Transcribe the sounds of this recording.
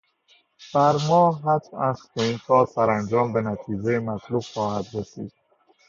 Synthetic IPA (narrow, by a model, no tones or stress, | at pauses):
b̥æɾmɒːɦæt̪ʰæskʰeint̪ʰɒːsæɾænd͡ʒɒːmbenæt̪ʰiːd͡ʒejemæt̪ʰluːbxɒːhæd̪ɾesḭːd̪̥̚